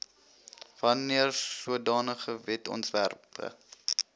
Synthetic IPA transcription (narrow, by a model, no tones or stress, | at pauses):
vɐniərsuədɑːnəχəvɛtɔ̰ntværpʰə̰